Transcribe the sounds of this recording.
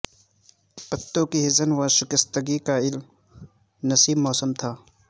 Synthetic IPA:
pɐt̪ːõkiɦɪzənwaʃʊkɪst̪əɡikaɪl | nɐsiːbmɔːsəmt̪ʰaː

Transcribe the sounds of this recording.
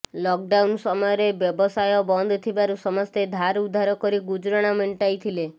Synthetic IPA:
lɔk̚ɖawnsɔmɔjɔɾebjɔbɔsajɔbɔnd̪ʱɔt̪ʰibaɾusɔmɔst̪ed̪ʱaɾud̪ʱːaɾɔkɔɾiɡud͡ʒɾɔɽ̃ameɳʈajt̪ʰile

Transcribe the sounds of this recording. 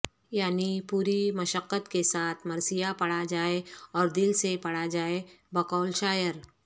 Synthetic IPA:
jaːnipuːɾimɐʃəqːət̪kesaːt̪ʰmɐɾsijapɐɽad͡ʒaːeɔːɾd̪ɪlsepɐɽad͡ʒaːebɐkɔːlʃaːjəɾ

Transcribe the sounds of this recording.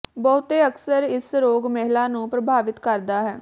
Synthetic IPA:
bɔːʊt̪eːəksəɾɪsɾoːɡmɛɦlaːnũːpɾəbʱaːʋɪt̪kəɾd̪aːɦɛː

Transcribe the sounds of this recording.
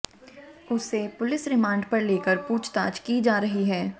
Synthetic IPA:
ʊsːepʊlɪsɾɪmãːɳɖpɐɾleːkəɾpuːt͡ʃt̪aːd͡ʒkid͡ʒaːɾɐɦiɦɛː

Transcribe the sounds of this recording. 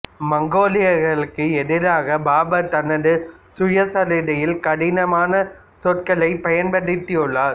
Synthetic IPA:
mɐŋɡoːlɪjɐɾɣɐɭɯkːɯɛðɪɾaːɣɐbaːbɐt̪ɐnːɐðɯsʊjɐsɐlɪɽɐjɪlkɐɽɪnɐmaːnɐ | sɔt̪̚kɐlɐɪpɐjɐnpɐɽɪt̪ːɪɔɭːaːɾ

